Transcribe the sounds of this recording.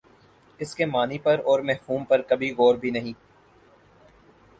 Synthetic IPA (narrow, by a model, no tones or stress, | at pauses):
ɪskemaːnipɐɾɔːɾmɛɦfuːmpɐɾkɐbʱiɣɔːɾbʱinɐɦĩː